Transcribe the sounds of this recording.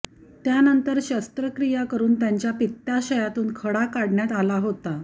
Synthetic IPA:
t̪janənt̪əɾɕast̪ɾəkɾijakəɾuːnt̪jaɲt͡ɕjapit̪ːaɕəjat̪uːnkʰəɽakaɽɳjat̪alaɦot̪a

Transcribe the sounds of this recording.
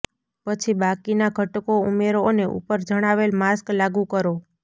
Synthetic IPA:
pət͡ʃʰibakinaɡʱəʈkoumeɾoneʔṵpəɾd͡ʒəɽ̃aʋelmasklaɡũkəɾo

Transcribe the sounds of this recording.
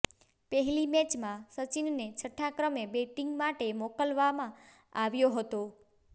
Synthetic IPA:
pəɦɛlimɛt͡ʃmãsət͡ʃinnet͡ʃʰəʈʰːakɾəmebeʈiŋɡmaʈemokəlʋamã | aʋjoɦət̪o

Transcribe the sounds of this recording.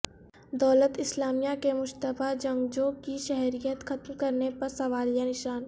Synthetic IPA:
d̪ɔːlət̪ɪslaːmijakemʊʃt̪əbad͡ʒɐ̃ŋɡd͡ʒoːkiʃɛɦɾijət̪xɐt̪mkɐɾnepɐɾsɐʋaːljanɪʃaːn

